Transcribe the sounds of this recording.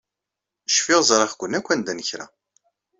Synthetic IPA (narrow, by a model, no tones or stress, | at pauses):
ʃfɪʁzˤɾˤɑχkʷːənːækʷːænd̪ænəçɾæ̰